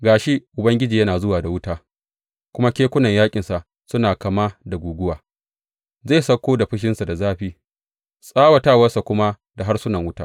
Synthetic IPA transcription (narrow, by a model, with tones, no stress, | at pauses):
ɡaː˨ʃe˦ʔʊ˨bɐ˦ŋɡʲɪ˦d͡ʒiː˨jɐ˦naː˨zʊ˦waː˨da˨wʊ˦taː˦ | kʷʊ˦ma˦kʲeː˦kʷʊ˦nɐ˨ɲjaː˦kʲʼɪ˨nsa˨ʔ | sʊ˦naː˨ka˨ma˦da˨ɡʷuː˨ɡʷʊ˦waː˨ | za˦˨sɐ˦kʷːoː˦da˨ɸɪ˦ʃ̬ɪ˦nsa˨da˨zaː˦ɸiː˦ | sʼaː˦wa˨taː˦˨wɐ˦rsa˨kʷʊ˦ma˦ | da˨ɦa˦rsʊ˦nɐ˨ŋwʊ˦taː˦